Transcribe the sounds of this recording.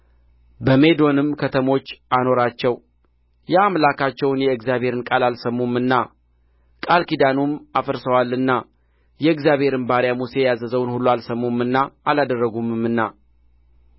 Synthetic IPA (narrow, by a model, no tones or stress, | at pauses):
bəme̞d̪o̞nɨmkʰət̪ʰəmo̞t͡ʃːano̞ɾat͡ʃːɛw | jaamlakat͡ʃːɛwnjɛɨɡzjaβhe̞ɾɨnkʼalalsəmːumːɨnːa | kʼalkid̪anumafəɾsəwalːɨnːa | jɛɨɡzjaβhe̞ɾɨnbaɾjamuse̞jazəzəwnhulːualsəmːumɨnːaːlad̪ərːəɡumɨmɨnːa